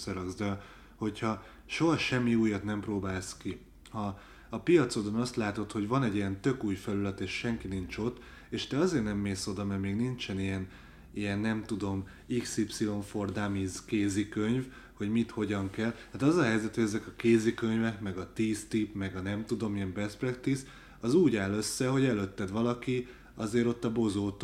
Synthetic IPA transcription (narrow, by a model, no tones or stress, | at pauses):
sɒɾɒɡzd̪ɛ | ho̞chɒ | ʃo̞ɦɒʃɛmːiuːjɒt̪nɛmproːbaːlski | hɒː | pijɒt̪so̞d̪onɒst̪laːt̪o̞t̪ho̞ɟvɒnɛɟijɛnt̪ø̞kuːjfɛlylɛt̪eːʃʃɛŋkinint͡ʃo̞t̪ː | eːʃt̪ɛɒzeːrnɛmːeːso̞d̪ɒmɛrmeːɡnint͡ʃɛnijɛn | ijɛnːɛmt̪ud̪o̞m | iksipsio̞ɱfo̞rd̪amizkeːzikøɲv | ho̞ɟmit̪ho̞ɟɒŋkɛlhaːt̪ɒzɒɦɛjzɛt̪hoɟɛzɛkɒkeːzikø̞ɲvɛkmɛɡɒt̪iːst̪ipmɛɡɒnɛmt̪ud̪o̞mijɛmbɛsprɛkt̪is | ɒzuːɟaːlø̞sːɛɦo̞ɟɛløt̪ːɛd̪ʋɒlɒki | ɒzeːɾo̞t̪ːɒbo̞zoːt̪